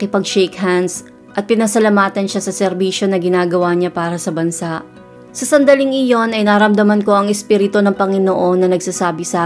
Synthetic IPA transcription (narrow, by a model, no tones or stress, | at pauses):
kɪpɐɡʃɛːkhand̪s | ʔɐt̪̚pɪnɐsɐlɐmaːt̪ɐnʃasɐsɛɾbiːʃo̞nɐɡɪnaːɡɐwaɲapaːɾɐsɐbɐnsaʔ | sɐsɐnd̪ɐlɪŋɪjo̞nɐjnaːɾɐmd̪ɐmɐnko̞ɐŋɛspiːɾɪt̪o̞nɐŋpɐŋɪnoʔo̞nːɐnɐɡsasaːbɪsa